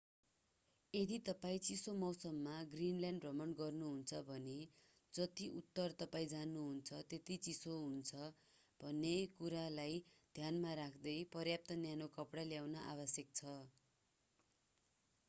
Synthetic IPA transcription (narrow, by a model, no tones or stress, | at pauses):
ed̪it̪ʌpaĩt͡sisomʌwsʌmːaɡrinljaɳɖrʌmʌɳɖɡʌrnuɦunt͡sʰʌbʱʌne | d͡zʌt̪iʔut̪ːʌrt̪ʌpaĩd͡zanuɦunt͡sʰʌt̪et̪it͡sisoɦunt͡sʰʌ | b̥ʱʌnːekuɾalajd̪ʱjanmaɾakʰd̪ʌjpʌrjap̚t̪ʌnjanokʌpɽaljawnʌʔabʌsjʌk̚t͡sʰʌ